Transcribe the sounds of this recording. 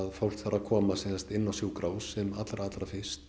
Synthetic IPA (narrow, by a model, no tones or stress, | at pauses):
ðfowl̥kθaɾakʰɔːmasɛsɛst̪ɪnːawsjuːwkɾaːwsɛmat̪lɾaaːt̪ɾafɪ̥st̪